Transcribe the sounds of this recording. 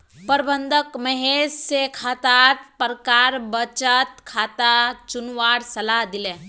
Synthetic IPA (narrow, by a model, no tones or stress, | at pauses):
pəɾbənd̪ʱəkməɦessekʰat̪aɾpəɾkaɾbət͡ʃət̪kʰat̪at͡ʃunʋaɽsɐlad̪ile